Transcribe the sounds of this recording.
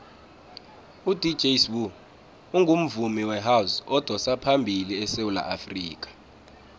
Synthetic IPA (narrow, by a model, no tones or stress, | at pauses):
udʱi̥d͡ʒʱeswu | uŋɡʱum̩vumiwɛɦawsɔd̥ʱɔsapʰambʱiliɛsewula̰ʔafrḭːk̬ʼḁ